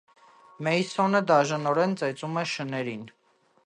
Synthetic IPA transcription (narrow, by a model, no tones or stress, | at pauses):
mɛjsɔnəd̪ɑʒɑnɔɾɛnt͡sɛt͡sumɛʃənɛɾin